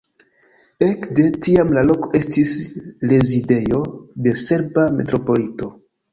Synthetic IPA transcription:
e̞kde̞tiamlalo̞ko̞ʔe̞stisle̞zide̞jo̞de̞se̞ɾbame̞̰tɾo̞po̞lito̞

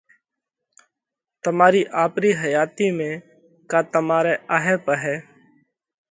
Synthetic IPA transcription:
t̪əmaːɾiːʔaːpɾiːɦəjaːt̪iːmẽː | kaːt̪əmaːɾeːʔaɦẽːpəɦɛː

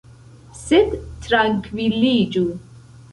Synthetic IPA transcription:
sɪd̪t̪ʰɾaŋkʰviliːd͡ʒu

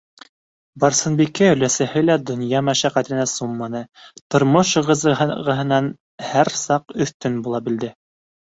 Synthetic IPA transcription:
bɑɾsɤ̆nbikːɘɵ̆læsæhɘlæd̪ŏnjɑmæʃæqæt̪ɘ̆næsumːɑnɤt̪ŏɾmoʃɤʁɤ̆zɤɤʁɤ̆ɦɤ̆nɑn | hæɾsɑqɵ̆θt̪ɵnbulˠɑbɘ̆ld̪ɘ

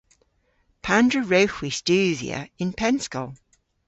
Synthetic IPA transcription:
pʰãndɹəɹəʊxwistʉːðḭə̰ɪ̃npʰɛ̃nskəlˠ

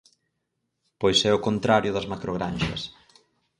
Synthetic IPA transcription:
pojsɛʊkont̪ɾaɾjʊðɐzmakɾʔoɣɾanʃɐ̰s

